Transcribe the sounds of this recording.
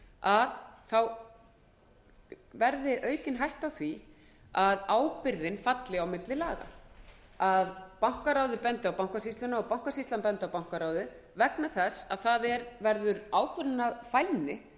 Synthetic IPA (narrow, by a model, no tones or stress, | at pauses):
aðθaw | vɛɾðɪʔœːɥcɪnɦajht̪awθvi | aðaːwpɪɾðɪnfat̪lɪawmɪt̪lɪlaːɣa̰ | aðpawŋ̥kaɾawðɪpɛnt̪awpawŋ̥kasist̪lʏnaɔpawŋ̥kasist̪anpɛnt̪awpawŋ̥kaɾawðɪð | vɛknaθɛsːa̰ðθaðɛɾvɛɾðʏɾaːwkʰvʏɾɪnːafajlnɪ